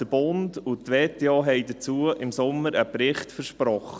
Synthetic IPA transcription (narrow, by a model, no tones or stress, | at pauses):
d̥əb̥ʊndutʋeːteɑːɦɛɪdət͡suːəʔɪmsʊmːəɾəpɾɪχtfəɾʃpɾɔχə